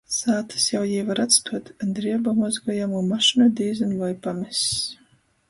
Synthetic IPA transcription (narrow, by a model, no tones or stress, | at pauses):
saːt̪ʰɨ̥sjawjiːvaɾat̪st̪ʰuɔt̪nd̪ɾiɛbamɔzɡɔjamunmaʃinɔd̪iːzɨnvajpamis